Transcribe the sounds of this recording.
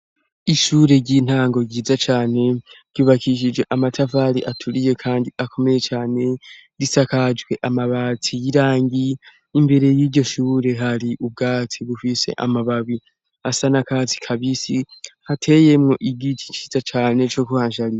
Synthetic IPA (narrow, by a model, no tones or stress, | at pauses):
iʃuːɾe̞ɾɟin̥haːŋɡo̞ɟiːzat͡ʃaːne̞ɾɟuːβakiʃ̬id͡ʒɡe̞ʔamatʰavaːɾiʔatʰuɾije̞kʰaːndiakʰo̞me̞je̞t͡ʃaːne̞ɾisakad͡ʒwe̞ʔamaβat͡sijiɾaːŋɡiː | mbe̞ɾe̞jiːɟo̞ʃuːɾe̞ɦaɾiʔub̚ɡaːt͡siβufise̞̰ʔa̰maβawi | asanakaːt͡si̥kʰaβisihatʰe̞je̞mŋo̞ʔiɡitʰi̥t͡ʃiːzat͡ʃaːne̞t͡ʃo̞kuhaːnʃaɾija